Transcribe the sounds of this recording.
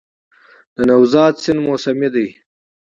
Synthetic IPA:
d̪̥ənɐwzɑːt̪sɪnmoːsɐmid̪ɐj

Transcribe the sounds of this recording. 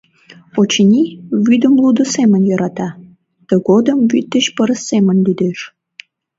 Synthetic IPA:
ot͡ɕənʲiβyd̪əmlud̪əsemənjəɾʔɑt̪ɑ | t̪əɣod̪əmvyt̪ːəɕpəɾəsːemənʲlyd̪eʃ

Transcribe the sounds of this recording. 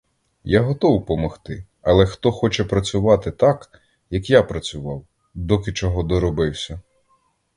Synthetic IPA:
jaɦɔt̪ɔwpɔmɔxt̪ɪ | ɐlˠɛxt̪ɔxɔt͡ʃɛpɾɐt͡sʲʊʋɑt̪ɪt̪ɑk | jɐkjapɾɐt͡sʲʊʋɑw | d̪ɔkɪt͡ʃɔɦɔd̪ɔɾɔbɪwsʲɐ

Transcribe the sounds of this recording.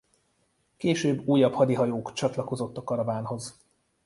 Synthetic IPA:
keːʃøːbːuːjːɒphɒd̪iɦɒjoːkt͡ʃɒt̪lɒko̞zo̞t̪ːɒkːɒɾɒvaːnɦo̞z

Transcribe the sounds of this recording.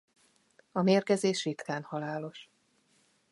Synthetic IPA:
ɒmeːrkɛzeːʃrit̪kaːnhɒlaːlo̞ʃ

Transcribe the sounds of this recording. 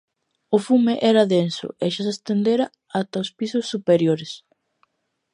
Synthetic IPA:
ʊfumɪʔɛɾɐðensʊ̰ʔeʃasest̪end̪eɾa | at̪aospisʊsːupeɾjoɾɪs

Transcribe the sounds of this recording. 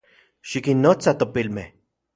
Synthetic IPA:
ʃikinːot͡sat̪opilme

